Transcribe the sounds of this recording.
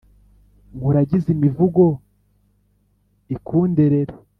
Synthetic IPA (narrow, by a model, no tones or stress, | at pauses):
ŋɡuɾaɟizimivuɡo̞ | ikʰuːnde̞ɾeɾe